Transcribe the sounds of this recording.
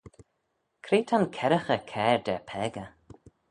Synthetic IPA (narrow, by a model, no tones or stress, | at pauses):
kʰɾeːt̪ʰankʰɛɾəxəkʰɛːɹd̪ɛpʰɛːɡə